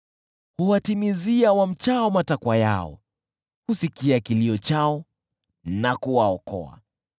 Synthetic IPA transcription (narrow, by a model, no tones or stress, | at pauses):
huwatimiziawam̩t͡ʃaɔmatakwaja̰ɔ̰ | husikiakiliɔt͡ʃaɔ | nakuwaɔkɔ̰a̰